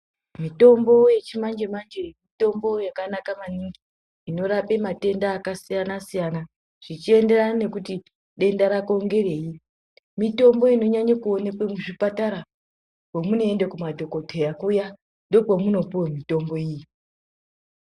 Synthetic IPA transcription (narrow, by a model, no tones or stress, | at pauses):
mito̞mbo̞je̞t͡ʃimand͡ʒemand͡ʒemito̞mbo̞jakanakamaniŋɡiː | no̞ɾape̞mate̞ndaːkasijanasijana | ʐ̥it͡ʃie̞nde̞ranane̞kuti | ɗe̞ndaɾako̞ŋɡe̞re̞i | mito̞mbo̞ino̞ɲaɲakuo̞ne̞kwemuʐipataɾa | pwomuno̞e̞ndekumadʱo̞ko̞tʰejakuja | ndo̞pomuno̞puwemito̞mbo̞iji